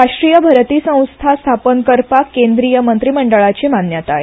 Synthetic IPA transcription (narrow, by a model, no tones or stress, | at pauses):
ɾaʂʈɾijəbʱəɾt̪iːsə̃w̃st̪ʰast̪ʰapənkəɾpakend̪ɾijəmənt̪ɾiməɳɖəɭat͡ɕemanjat̪ae